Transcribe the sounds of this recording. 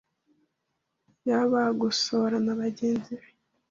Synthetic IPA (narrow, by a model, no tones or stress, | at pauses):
jaβaɡusoɾanaβaɟeːnziβe̥